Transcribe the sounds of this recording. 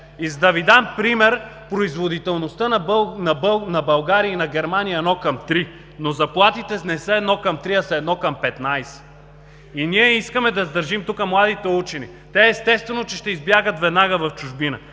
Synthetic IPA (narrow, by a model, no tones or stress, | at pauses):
izd̪ɐvid̪ampɾimɛɾpɾoizvod̪it̪ɛlˠnost̪ənɐnɐbnɐbɐlˠɡaɾiəinɐɡʲɛɾmanijəɛnɔkɐmt̪ɾi | nozɐplˠat̪it̪ɛnɛsəɛd̪nɔkɐmt̪ɾiɐsɐɛd̪nɔkɐmpɛt̪najsɛ̥ | iniɛiskəmɛd̪ɐzd̪ɐɾʒimt̪ukəmlˠad̪it̪ɛut͡ʃɛnḭ | t̪ɛːst̪ɛst̪vɛnot͡ʃɛʃt̪ɛizbjaɡət̪vɛd̪naɡəvɐft͡ʃuʒbinə